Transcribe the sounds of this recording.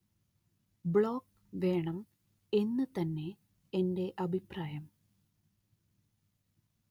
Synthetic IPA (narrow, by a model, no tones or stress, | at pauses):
bɭoːk | ʋe̞ːɳɐm | e̞nːɨt̪ɐnːe̞ | ende̞ʔɐbʱipraːjɐm